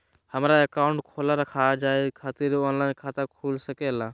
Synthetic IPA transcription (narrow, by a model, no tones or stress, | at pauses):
həmɾaəkaʊɳʈkʰoːlaɾəkʰad͡ʒaːekʰaːt̪iɾɔːnlaːɪnkʰaːt̪əkʰuːlsəkela